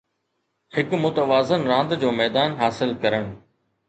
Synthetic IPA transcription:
hɪkmʊt̪əʋaːzənɾãːnd̪d͡ʑoːmɛːd̪aːnɦaːsɪlkɐɾəɽ̃

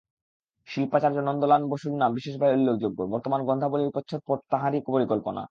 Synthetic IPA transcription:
ʃilpat͡ɕaɾd͡ʑonɔnd̪olanboʃuɾnambiʃeʃ̬bʱaeulːek̚d͡ʑoɡːobɔɾt̪omanɡɔnd̪ʱaboliɾpotːɕʰot̪̚poɾt̪aɦaɾikpoɾikolpona̰

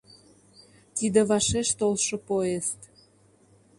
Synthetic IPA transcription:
t̪id̪eβɑʃeʃt̪olʃopoest̪

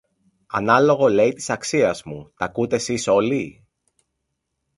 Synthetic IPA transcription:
ɐnɐlo̞ɣo̞le̞it̪i̥sɐksiɐzmut̪ɐkut̪e̞siso̞li

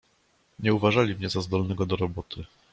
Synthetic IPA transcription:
ɲɛuvaʐalʲimɲɛzazd̪ɔlnɛɡɔd̪ɔɾɔbɔt̪ʰɘ

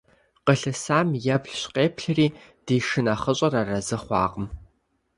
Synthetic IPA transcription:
qəɬɨsaːmjɐbɬɕqeːpʰɬɨriː | d̥iːʂɨnaχəɕʼɐrarɐzɨχʷɑ̰ːqʼəm

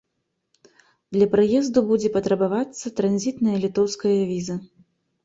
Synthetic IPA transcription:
d̪lʲɐpɾajɛzd̪ubud͡zʲɛpɐt̪ɾɐbavat̪sːɐt̪ɾanʲzʲit̪nɐjɐlʲit̪ɔwskɐjɐvʲizɐ

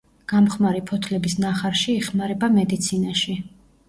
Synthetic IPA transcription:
ɡ̥amχmaɾipʰɔt̪ʰlɛbisnaχaɾʃiːχmaɾɛbamɛd̪it̪sʰinaʃi

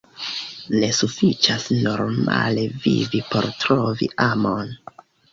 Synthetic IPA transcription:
ne̞sufit͡ʃasno̞ɾma̰le̞vivipo̞ɾtɾo̞vḭʔamon

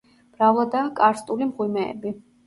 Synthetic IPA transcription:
b̥ɾavlˠad̪aːkʼaɾst̪ʼulimʁwimɛ̰ːbi

